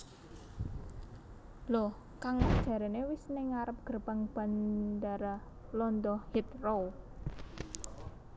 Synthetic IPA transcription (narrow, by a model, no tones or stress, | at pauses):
lɔh | kaŋwad̥ʒ̥a̤ɾenewisnɪŋaɾəp̚ɡ̥ə̤rb̥a̤ŋb̥a̤nd̪aɾa | lɔnd̪ɔhhit̪̚row